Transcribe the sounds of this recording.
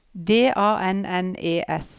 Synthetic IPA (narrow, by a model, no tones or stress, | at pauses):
d̪eːʔɑːʔɛnɛneːʔɛs